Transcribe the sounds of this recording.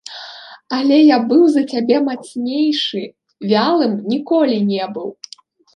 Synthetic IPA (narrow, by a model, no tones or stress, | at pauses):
alʲɛjabɨwzɐt͡sʲabʲɛmat̪snʲejʂɨ | vʲalˠɨmnʲikɔlʲinʲɛbɨw